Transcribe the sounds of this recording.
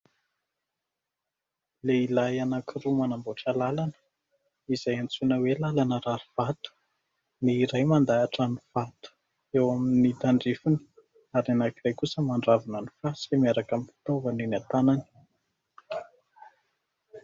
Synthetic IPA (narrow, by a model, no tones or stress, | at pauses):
leilajanakiɾumanamboʈ͡ʂəlalanə̥ | izajant͡sunəwelalanəɾaɾuv̥at̪u̥ | niːɾajmand̪aːʈ͡ʂaniv̥at̪u̥ | ewaminid̪aɳɖ͡ʐifuni̥ | aɾanakirajkusəmaɳɖ͡ʐavunanifasiemiaɾakamifi̥t̪ovaninat̪anani̥